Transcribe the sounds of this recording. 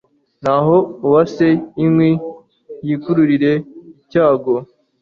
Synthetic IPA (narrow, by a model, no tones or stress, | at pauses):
n̥aɦo̞uwase̞imwi | jikuɾuɾiɾe̞icaːɡo̞